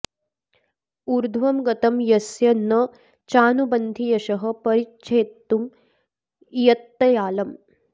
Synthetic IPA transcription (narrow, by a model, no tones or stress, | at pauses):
uɾd̪ʱʋɐmɡɐt̪ɐmjɐsjɐnɐ | t͡ʃaːnubɐnd̪ʱijɐʃɐɦɐ̆pɐɾitːt͡ʃʰeːt̪ːum | jɐt̪ːɐjaːlɐm